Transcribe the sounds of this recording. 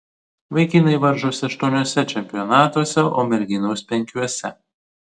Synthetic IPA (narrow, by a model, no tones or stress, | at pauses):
ʋɐɪkʲɪnɐɪʋɐɾʒoːsʲɪɐʃt̪uɔnʲɔːsʲɛt͡ʃʲɛmʲpʲɪjɔnɑːt̪uɔsʲɛʔoːmʲɛɾʲɡʲɪnoʊspʲɛŋʲkʲuɔsʲɛ